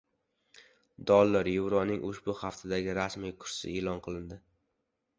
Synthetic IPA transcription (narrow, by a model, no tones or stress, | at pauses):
d̪ɒlˠːaɾjowɾɒnɪŋʔʊʃbʊhaft̪ʰad̪aɡʲɪɾasmijkʰʊ̥ɾsɪ̰eːlɒnqʰɨlˠɪnd̪ɪ